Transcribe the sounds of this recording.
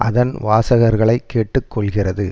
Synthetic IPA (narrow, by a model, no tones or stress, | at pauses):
ʔɐ̰ðɐnʋaːsɐɣɐɾɣɐɭɐɪkːeːʈːɯkːɔɭɣɪrɐðɯ